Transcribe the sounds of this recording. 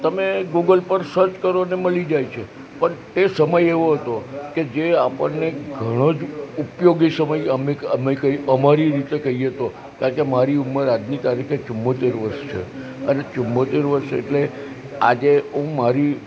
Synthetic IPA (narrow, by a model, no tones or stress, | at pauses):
t̪əmeɡuɡəlpəɾsəɾt͡ʃkəɾoneməlid͡ʒajt͡ʃʰe | pəɳt̪esəməjeʋoɦət̪oked͡ʒeapəɳneɡʱəɽ̃od͡ʒupjoɡisəməjəmeəmekəiəmaɾiɾit̪ekəɦieɦət̪o | kaɾkemaɾiumːəɾad̪nit̪aɾikʰet͡ʃʊmːot̪eɾʋəɾʃt͡ʃʰḛənet͡ʃumːot̪eɾʋəɾʃḛʈle | a̰d͡ʒeũmaɾi